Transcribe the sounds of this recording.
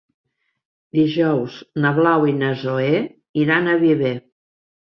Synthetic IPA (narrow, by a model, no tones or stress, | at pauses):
d̪iʒɔwznəβlawinəzoe | iɾanəβiβe